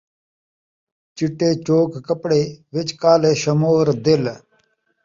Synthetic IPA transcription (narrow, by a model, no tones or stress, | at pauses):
t͡ʃɪʈːeːt͡ʃoːkkəpɽeːʋɪt͡ʃkaːleːʃɐmoːɾd̪ɪl